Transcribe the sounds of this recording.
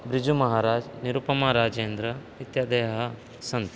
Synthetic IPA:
bɾɪd͡ʒumɐɦaːɾaːd͡ʒniɾupɐmaːɾaːd͡ʒeːnd̪ɾɐ | it̪jad̪eːɐɦɐ | sɐnt̪

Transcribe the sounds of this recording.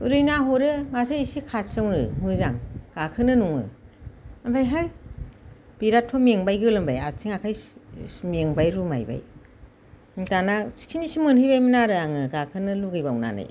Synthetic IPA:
uɾɯjnaɦɔɾɯmatʰɯjisikʰasɯŋɾɯ̰mɯzaŋɡ̥akʰɯnɯnuŋɯ̰ | ambʰajɦaj | b̥iɾatʰɔmeŋbajɡɯlɯmbaja̰sʰiŋakʰaj | meŋbajɾuma̰jba̰j | tanasi̥ksʰinisimɯnhɯjbajminaɾɯaŋɯɡakʰɯnɯluɡɯjbawna̰na̰j

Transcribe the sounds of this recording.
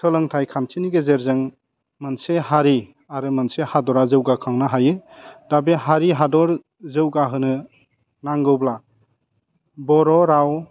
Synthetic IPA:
tʰɯlɯŋtʰajkʰantʰiniɡezeɾzɯŋ | manseɦaɾi | aɾɯmansehadɔɾazɯwɡakʰaŋnaɦajɯdabeɦaɾiɦadɔɾ | zɯwɡaɦɯnɯ | naŋɡɯwbla | bɔɾɔɾaw

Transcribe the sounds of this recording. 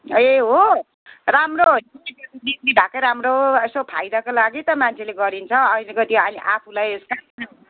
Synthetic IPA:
eɦo | ramroɦojnʌiketid̪isiɖʱakʌjɾamroɦesopʰajd̪ʌkolaɡit̪ʌmant͡sʰeleɡʌɾint͡sʰʌʌjneɡʌt̪iʌniʔapʰulajeska

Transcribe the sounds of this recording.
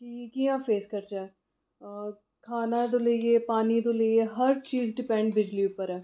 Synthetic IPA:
ʈiːekiãːfeːskəɾt͡ʃɛː | kʰaːnad̪oleiepaːnid̪oleeɦɐɾt͡ʃiːzɖɪpɛ̃ɳɖbɪd͡ʒliʊpəɾɛː

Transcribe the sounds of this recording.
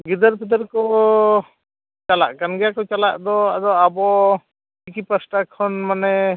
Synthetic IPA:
ɡid̪əɾpʰɛd̪əɾkɔ | t͡ʃala̰ʔkanɡɛjakɔt͡ʃalaʔd̪ɔad̪ɔabɔ | ikipasʈakʰɔnmanɛ

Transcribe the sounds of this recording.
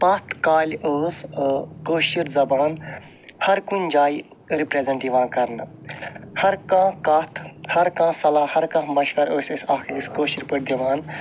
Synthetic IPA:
pɐt̪ʰkaːlʲoːskoːʃiɾzɐbaːn | hɐɾkunʲd͡ʒaːi | ɾipɾeːzeɳʈiʋãːnkɐɾn | hɐɾkãːkɐt̪ʰhɐɾkãːsɐlaːhɐɾkãmɐʃʋɐɾoːsʲesaːkʰeiskoːʃiɾpəɽ̚d̪iʋaːn

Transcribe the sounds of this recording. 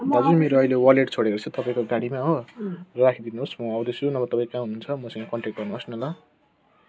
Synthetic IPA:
d̪ad͡zʌnmeɾoʌilewʌleʈt͡sʰoɽeɾot͡sʰut̪ʌpaĩkoɡaɽimaɦorakʰid̪inuɦosmʌʌwd̪esunʌbʌt̪ʌpãĩkãɦununt͡sʰʌmʌsʌ̃ŋɡakʌɳʈrekʈ̚ɡʌrnuɦosnʌlʌ

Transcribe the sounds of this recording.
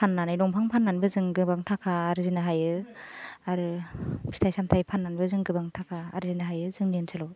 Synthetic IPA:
pʰanːanajnɔŋpʰaŋpʰanːanbɯzɯŋɡɯbaŋtʰakʰaːɾzinaɦajɯ | aɾɯpʰi̥tʰajsamtʰajpʰanːanbɯzɯŋɡɯbaŋtʰakʰaːɾzinaɦajɯzɯŋninsʰɯlɔw

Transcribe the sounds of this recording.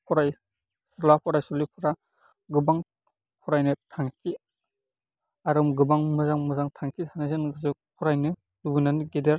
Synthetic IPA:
pʰɔɾaj | sɔlapʰɔɾajsɔlipʰuɾa | ɡɯbaŋ | pʰɔɾajnɯtʰaŋkʰi | aɾɯmɡɯbaŋmɯzaŋmɯzaŋtʰaŋkʰitʰanazɯnɡɯzɯpʰɔɾajnɯ | dubunanɡedeɾ

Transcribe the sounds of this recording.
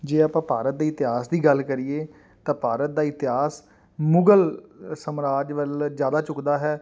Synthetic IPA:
d͡ʒeːaːpãːpaːɾət̪̚d̪iːɪt̪ɪɦaːsd̪iːɡəlkəɾiːeː | t̪ãːpaːɾət̪̚d̪aːɪt̪ɪɦaːs | mʊɡəlsəmɾaːd͡ʒʋəlzjaːd̪aːt͡ʃʊkd̪aːɦɛː

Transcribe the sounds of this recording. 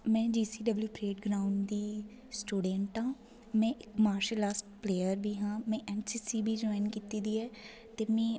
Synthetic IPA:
mɛ̃ːd͡ʒiːsiːɖəbljuːpɾeːʈɡɾaːʊɳɖd̪iː | sʈuːɖəɳʈɦãː | mɛ̃ːʔɪkmaːɾʃəlːaːsʈpleːəɾbʱiːɦãːmɛ̃ːʔɛːnsiːsiːbʱiːd͡ʒɔːɪnkiːt̪iːd̪iːɛː | t̪eːmɛ̃ː

